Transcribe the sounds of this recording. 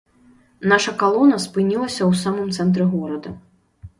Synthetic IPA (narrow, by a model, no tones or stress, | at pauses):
naʂɐkalˠɔnɐspɨnʲilˠɐsʲɐwsamɨmt̪sɛnt̪ɾɛɣɔɾɐd̪ɐ